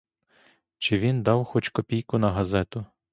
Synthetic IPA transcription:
t͡ʃɪʋʲind̪ɑwxɔt͡ʃkɔpʲijkʊnɐɦɐzɛt̪ʊ

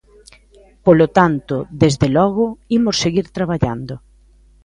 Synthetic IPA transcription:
polot̪ant̪ʊðezðelɔɣʊimoseɣiɾt̪ɾaβaʎand̪ʊ

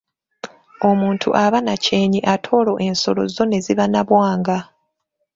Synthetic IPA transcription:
o̞muːntʰṵʔaβanace̞ːɲiʔatʰo̞ːlo̞ʔe̞nso̞lo̞̰zo̞ne̞ziβanaβwaːŋɡa

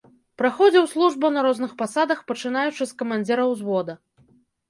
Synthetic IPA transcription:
pɾaxɔd͡zʲɛwslˠuʐbɐnɐɾɔznɨxpasad̪ɐxpɐt͡ʂɨn̪ajut͡ʂɨskɐmanʲd͡zʲɛɾɐwzvɔd̪ɐ

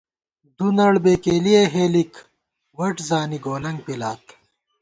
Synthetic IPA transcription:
d̪unɐɭbeːkeːlieɦeːlik | wɐʈzaːniɡoːnɐŋɡ̚pilaːt̪

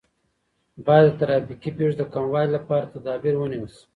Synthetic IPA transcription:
bɑjad̪ːət̪aɾɑfikipeʐd̪əkamwɑjlapɑɾat̪ad̪ɑbiɾwəniwəs

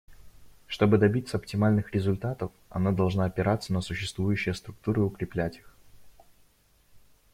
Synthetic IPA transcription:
ʂt̪o̞bɨd̪ɐbʲit̪səɐptʲɪmalʲnɨxɾʲɪzʊlʲt̪at̪əfɐ̰nad̪ɐlˠʐnaːɐpʲɪɾat̪sənəsʊɕːɪst̪vujʉɕːɪjəst̪ɾʊk̚t̪uɾɨʊkɾʲɪplʲætʲi̥x

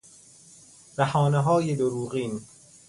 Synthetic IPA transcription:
ɾ̥æhɒːneɦɒːjed̪oɾuːɣiːn

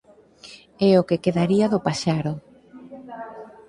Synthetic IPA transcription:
ɛokekeðaɾiaðʊpaʃaɾʊ

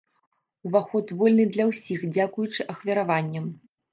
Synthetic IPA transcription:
uvaxɔt̪vɔlʲnɨd̪lʲɐwsʲixd͡zʲakujut͡ʂɨʔɐxvʲɐɾavanʲːɐm

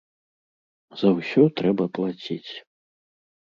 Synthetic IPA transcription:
zɐwsʲɔt̪ɾɛbɐplˠat͡sʲit͡sʲ

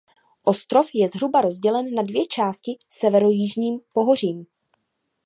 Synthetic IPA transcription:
ʔo̞st̪ɾo̞fjɛzɦɾubaɾo̞zɟɛlɛnːadvjɛt͡ʃaːscɪsɛvɛɾo̞jiʒɲiːmpo̞ɦo̞riːm

